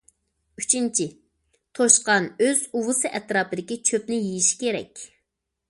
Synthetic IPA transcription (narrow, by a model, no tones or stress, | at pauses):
yt͡ʃʰint͡ʃʰi | t̪ʰoʃqɑnøzuwʊsɨʔɛt̪ɾɑːpɨd̪ɪkʲit͡ʃʰøpnɪjijiʃi̥kʲʰeɾɛ̰kʲ